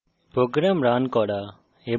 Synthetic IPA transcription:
poːɡɾɛːmɾaːnkɔːɽaː | eː

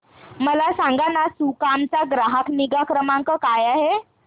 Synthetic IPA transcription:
məlasãŋɡanasukamt͡saɡɾaɦəkniɡakɾəmaŋkəkajaɦe

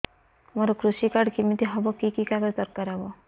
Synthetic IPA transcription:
mɔɾɔkɾuʃikaɽkimit̪iɦɔbɔkikikaɡɔɾd̪ɔɾkaɾabɔ

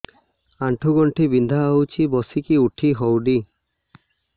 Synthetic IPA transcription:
aɳʈʰuɡɔɳʈʰibind̪ʱaawt͡ʃʰibɔsikiuʈʰiɦɔwɖi

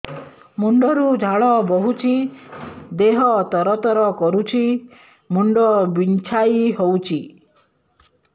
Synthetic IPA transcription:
muɳɖɔɾud͡ʒʱaɭɔbɔɦut͡ʃʰi | d̪eɦɔt̪ɔɾɔt̪ɔɾɔkɔɾut͡ʃʰi | muɳɖɔbint͡ʃʰajiɦowt͡ʃʰi

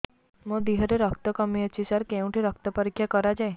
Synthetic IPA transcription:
mõd̪iɦəɾeɾəkt̪ɔkɔmiət͡ʃʰisaɾkeũʈʰiɾɔkt̪ɔpɔɾikʰjakɔɾad͡ʒae

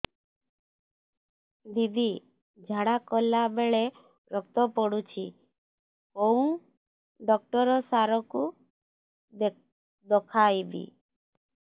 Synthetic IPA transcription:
d̪id̪i | d͡ʒʱaɽakɔlːabeɭe | ɾɔk̚t̪ɔpɔɽut͡ʃʰi | kɔ̃ũ | ɖɔk̚ʈɔɾɔsaɾɔku | d̪ɔkʰajbḭ

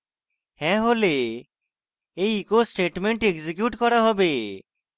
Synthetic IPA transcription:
hɛ̃ɦole | ejkosʈeʈmeɳʈeɡzik̬juʈkɔɾaɦɔbe

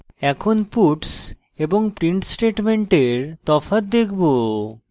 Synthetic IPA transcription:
ɛkʰonpuʈs | eboŋpɾiɳʈsʈeʈmeɳʈeɾt̪ɔfat̪̚d̪ekʰbo

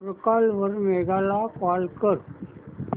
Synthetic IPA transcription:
ɾkalʋəɾmɛɡalakalkəɾ

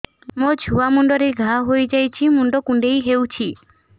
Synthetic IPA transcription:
mod͡ʒʱuamuɳɖɔɾeɡʱaɦojd͡ʒajt͡ʃʰimuɳɖɔkũɳɖejɦeuwt͡ʃʰi

